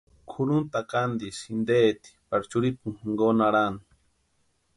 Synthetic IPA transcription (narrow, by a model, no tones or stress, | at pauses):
kʰuɾunt̪akand̪isind̪eːt̪i̥paɾt͡ʃuɾipuŋxŋɡonaɾani